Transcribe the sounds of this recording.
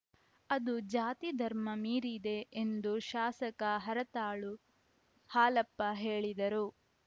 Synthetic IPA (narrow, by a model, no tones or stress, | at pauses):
ɐd̪ud͡ʒaːt̪id̪ʱɐɾmɐmiːɾid̪e̞ʔend̪uʃaːsɐkɐɦɐɾɐt̪aːɭu | haːlɐpːɐɦeːɭid̪ɐɾu